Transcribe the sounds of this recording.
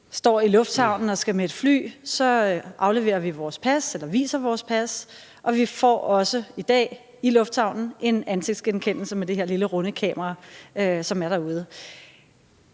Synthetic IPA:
sd̥ɒ̰ːilɔ̽fd̥shɑ̈ʊ̰nn̩ɒ̽sɡ̥æmee̝d̥fly̰ːsɒ̽ʔɑ̈ʊle̝ʋe̝̰ːɐʋiʋɒːspʰæselɐʋḭːsɐʋɒːspʰæs | ʔɒ̽ʋifɒ̰ːɒ̽səid̥ɛ̰ː | ilɔ̽fd̥sɑ̈ʊ̰nn̩e̝nænseɡ̥̚d̥sɡ̥enkʰen̰l̩səmed̥e̝he̝ɐliləʁɔnəkʰɛ̰ːmɐʁɑ̈øsɒ̽mæɐɾ̥ɑ̈uð̞ˠə

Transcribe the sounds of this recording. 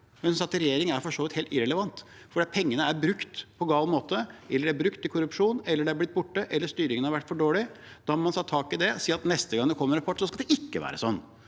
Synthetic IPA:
mɛnsɑt̪ɾɛjeːɾɪŋæɾfɔʂoːʋɪt̪heːlt̪ɪɾɛləʋɑnt̪ | fɔɖiːɑt̪̚pʰɛŋːənəæɾbɾʉkt̪pʰɔɡɑːlmoːt̪əɛlːəɖɛæɾbɾʉkt̪ʰːɪlkʰʊɾʉpʂuːnɛlːəɖɛæɾblɪt̪̚ːbʊʈːəʔɛlːəʂst̪yːɾɪŋənəhɑɾʋæʈːfɔɖoːɭɪ | d̪̥ɑmɑnsɑt̪ʰːɑːkɪd̪ɛsiːɾɑt̪nɛst̪əɡɑŋd̪ɛkʰɔmːəɾɑpʰɔʈːsɔskɑld̪ɛʔɪkːəʋæ̰ːɾə̰sɔnː

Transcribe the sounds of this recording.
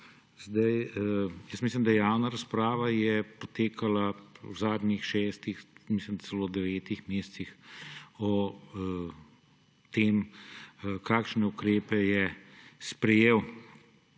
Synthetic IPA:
zd̪ajjəsmislimd̪ajaːwnaɾɐspɾaːʋajɛpɔt̪eːkalawzaːd̪nʲixʃɛːst̪ixmislimt͡s̪sɛloːd̪ɛʋɛːt̪ixmeːst̪six | ɔ | t̪eːm | kaːkʃnɛukɾeːpɛjɛspɾɛjeːw

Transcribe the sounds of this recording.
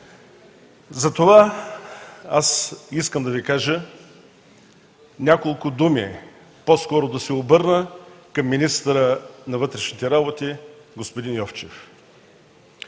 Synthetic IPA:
zɐt̪ova | asiskəmd̪ɐvikaʒə | nʲakolˠkʊd̪umi | poskɔɾod̪ɐsɛobɤɾnəkɐmːinist̪əɾənɐvɤt̪ɾɛʃnit̪ɛɾabot̪iɡospʊd̪injɔft͡ʃɛf

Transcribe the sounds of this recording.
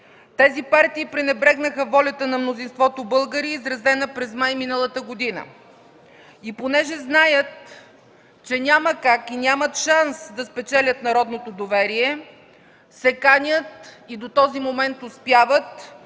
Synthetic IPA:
t̪ɛzipaɾt̪iːpɾɛnɛbɾɛɡnəxəvɔlʲɐt̪ənɐmnozinst̪vɔt̪obɤlˠɡəɾiːzɾɐzɛnəpɾɛzmajminəlˠət̪əɡod̪inə̰ | iponɛʒɛznajət̪̚ | t͡ʃɛnʲaməkakinʲamət̪ʃansd̪ɐspɛt͡ʃɛlʲət̪nɐɾɔd̪not̪od̪ovɛɾiɛ | sɛkanʲət̪id̪ot̪ɔzimomɛnt̪ʊspjavət̪

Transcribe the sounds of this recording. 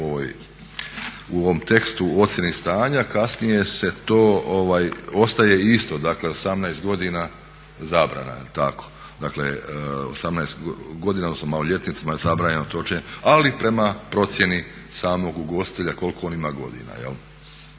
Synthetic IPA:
ooj | uoʋomt̪e̞kst̪uo̞t̪sʲjenist̪aːɲakasnije̞se̞t̪o̞ːoʋaːjo̞st̪aje̞ist̪o̞d̪akle̞o̞samnaest̪̚ɡo̞d̪ina | zaːbɾa̰na̰t̪ako̥ | d̪akleo̰samnaest̪ɡo̞d̪iːnaod̪nosnomaloʎe̞t̪nit̪simazabɾaːɲenot̪ot͡ʃeɲealipɾe̞mapɾo̞t̪sʲje̞ni | saːmo̞ɡuɡo̞st̪i̥t̪eʎako̞lko̞onimaːɡo̞d̪ḭna̰jḛl

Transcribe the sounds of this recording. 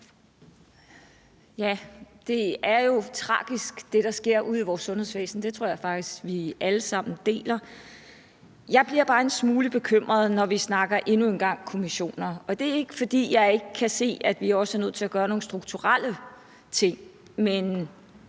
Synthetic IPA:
jæd̥e̝æɐjo̝t͡sʰʁɑ̰̈ːɡ̥isɡ̥d̥e̝ɾ̥ɑ̈sɡ̥e̝ɐ̰ʔuð̰ˠiʋɒːsːɔ̽nhe̝sʋḛːsn̩d̥e̝t͡sʰʁo̝ɐ̰jɪfɑ̈ɡ̥d̥isɡ̥ʋiʔæləsɑ̈m̰n̩d̥e̝̰ːlɐ | jɑ̈ɪb̥liɐ̰b̥ɑ̈ːe̝nsmuːləb̥e̝kʰøm̰ʁɐð̞ˠnɒʋisnɑ̈ɡ̥ɐʔe̝nue̝nɡ̥ɑ̈ŋ̰kʰo̝miɕo̝̰ːnɐɒ̽d̥e̝æɐe̝ɡ̥əfɒ̽d̥ḭːjɑ̈ɪe̝ɡ̥əkʰːæse̝̰ːæd̥ʋiɒ̽səæɐnøð̰ˠt͡sʰe̝læɡ̥ɶːɐno̝ːnsd̥ʁuɡ̥̚t͡sʰuʁal̰ə | t͡sʰe̝ŋ̰ | men

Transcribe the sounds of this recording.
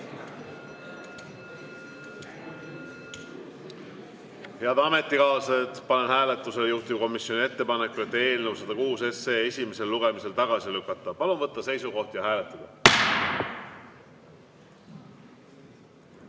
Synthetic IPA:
heɑd̪ɑme̞t̪ːˑikɑːsɑt̪pɑne̞nhæːle̞t̪ːˑuse̞lejuht̪uko̞misjo̞nie̞t̪ːe̞pɑne̞kːˑue̞t̪ːˑe̞ːlnewsɑd̪̥ɑkuːse̞seːe̞sʲime̞se̞lːuɡ̥e̞mise̞lt̪ɑɡ̥ɑsilykːɑt̪ˑːɑpɑlunvɤt̪ˑːɑse̞jsuko̞ht̪jɑɦæːle̞t̪ˑːɑd̪̥ɑ

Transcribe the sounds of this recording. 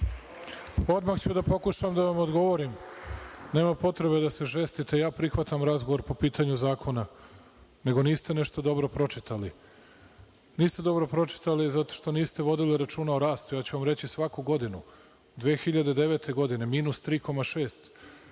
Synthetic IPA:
o̞d̪maxt͡ɕud̪apo̞kuʃamd̪aʋamod̪ɡo̞ʋo̞ɾim | ne̞ːmapo̞t̪ɾe̞βed̪ase̞ʒe̞st̪it̪ejaːpɾixʋat̪amɾazɡoʋo̞ɾpo̞piːt̪ʰaɲuzaːkʰo̞na | ne̞ɡo̞niːst̪ene̞ʃt̪od̪o̞bɾo̞pɾo̞t͡ʃit̪ʰali | niːst̪e̞d̪o̞bɾo̞pɾo̞t͡ʃi̥t̪alizat̪o̞̥ʃt̪o̞niːst̪e̞ʋo̞d̪iliɾat͡ʃuːnaoɾaːst̪ujaːt͡ɕuʋamɾe̞t͡ɕisʋakuɡo̞d̪inu | d̪ʋeːxiʎad̪e̞d̪e̞ʋe̞t̪ʰe̞ɡo̞d̪ine̞miːnust̪ɾiːko̞maʃeːst̪

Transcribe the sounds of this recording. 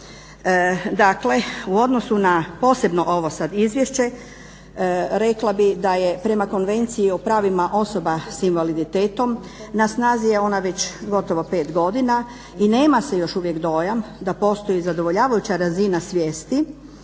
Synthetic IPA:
d̪akle̞uo̞d̪no̞sunapo̞ːse̞bno̞ʔo̞ʋosad̪izʋjeʃt͡ɕe̞ | ɾe̞klˠabid̪aje̞pɾe̞mako̞nʋe̞nt̪siiopɾaːʋimaʔo̞so̞basinʋalid̪it̪eːt̪o̞m | nasnaːzijeo̞naʋe̞t͡ɕɡo̞t̪o̞ʋo̞pe̞ːt̪ɡo̞d̪ina | ine̞ːmase̞jo̞ʃuʋjekd̪o̞jamd̪apo̞st̪ojizad̪o̞ʋo̞ʎaːʋajut͡ɕaɾazinasʋjeːst̪i

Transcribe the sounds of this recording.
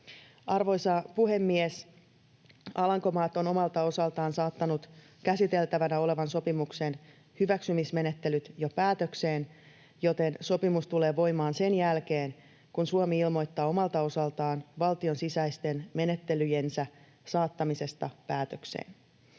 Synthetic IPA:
ɑrʋo̞jsɑpuɦe̞mːies | ɑlɑŋko̞mɑːt̪o̞no̞mɑlt̪ɑo̞sɑlt̪ɑːnsɑːt̪ːɑnut̪ | kæsit̪e̞lt̪æʋænæo̞le̞ʋɑnso̞pimukse̞n | hyʋæksymisme̞ne̞t̪ːe̞lyt̪jopæːt̪ø̞kseːn | jo̞t̪e̞nso̞pimust̪ule̞ːʋo̞jmɑːnse̞njælkeːn | kunsuomiilmo̞jt̪ːɑːo̞mɑlt̪ɑosɑlt̪ɑːnʋɑlt̪io̞nsisæist̪e̞nme̞net̪ːe̞lyjensæ | sɑːt̪ːɑmise̞st̪ɑpæːt̪øksḛːn

